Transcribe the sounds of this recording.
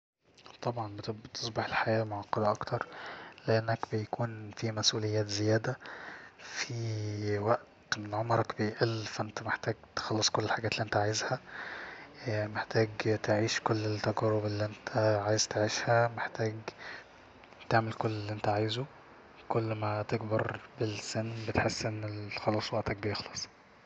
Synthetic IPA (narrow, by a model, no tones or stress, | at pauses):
t̪ˤɑbʕɑnb̪t̪ʰesˤbeħelħajæːlmoʕɑqːɑd̪æʔɑkt̪ʰɑɾˤleʔænːækbejækuːnfimæsʔuːlejːæːt̪zejæːd̪æ | fiwæʔt̪menʕomɾˤɑkbejʔælfæʔent̪æmeħt̪æːɡt̪e̥xɑlːesˤkolːelħaɡæːt̪lːiʔent̪æʕajezhæ | meħt̪æːɡt̪eʕiːʃkolːelt̪ːæɡæɾobelːiʔent̪ʰæʕaːjezt̪eʕiːʃhæmeħt̪æːɡ | t̪eʕmelkolːlːiʔent̪æʕaːjzo | kolːmæt̪eɡbɑɾˤbelsenːbet̪ħesːʔenːexɑlɑːsˤwæʔt̪æk̚bejexlɑsˤ